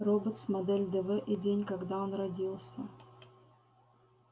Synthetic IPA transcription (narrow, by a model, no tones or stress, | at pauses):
ɾobət̪smɐd̪ɛlʲd̪ɛvɛʔidʲenʲkɐɡd̪ao̞nrɐdʲilˠsʲə